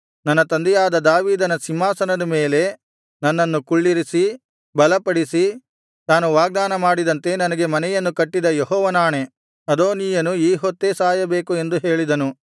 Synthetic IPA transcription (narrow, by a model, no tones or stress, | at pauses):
nɐnːɐt̪ɐnd̪ɛjaːd̪ɐd̪aːʋiːd̪ɐnɐsimːaːsɐnɐd̪ɐmeːle̞ | nɐnːɐnːukuɭːiɾisi | bɐlɐpɐɽisi | naːnuʋaːɡ̚d̪aːnɐmaːɽid̪ɐnt̪e̞nɐnɐɡe̞mɐnɛjɐnːukɐʈːid̪ɐjeɦɔːʋɐnaːɳe̞ | ɐd̪oːnijɐnuiːɦot̪ːeːsaːjɐbe̞ːkue̞nd̪uɦe̞ːɭid̪ɐnu